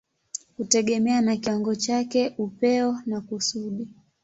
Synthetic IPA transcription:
hutɛɠɛmɛanakiwaŋɡɔt͡ʃakɛʔupɛɔnakusuɗi

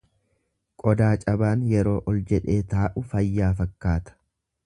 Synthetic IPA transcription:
kʼɔd̪aːt͡ʃʼɐbaːnjɛɾo̞ːʔɔld͡ʒɛᶑe̞ːt̪aːʔʊfɐjːaːfɐkːaːt̪ɐ̥

